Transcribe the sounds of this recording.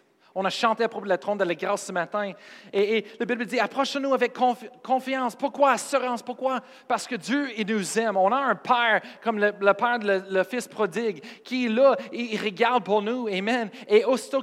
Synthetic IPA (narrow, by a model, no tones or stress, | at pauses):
ɔ̃naʃɑ̃t̪eapʁopod̪ələt̪ʁɔ̃nd̪əlaɡʁasːəmat̪ɛ̃eːlabɪbld̪iapχɔʃɔ̃nuavɛkʰːɔ̃fkʰɔ̃fjɑ̃ːspuʁkwaasəʁɑ̃spʊʁkwa | paʁsə̥kəd̪jøinuzɛmɔ̃naə̃pʰɛːʁkɔmlələpɛːʁlələfɪspχɔd̪ɪɡkʲʰiɛlʌiʁəɡaʁd̪̚puʁnuemɛ̃neosi̥t̪o